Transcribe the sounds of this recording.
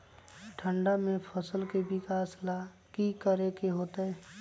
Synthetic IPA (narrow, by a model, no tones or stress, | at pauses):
ʈʰə̃ɳɖamẽpʰəsəlkebɪkaːsla | kikəɾekeɦoːt̪aɦɛː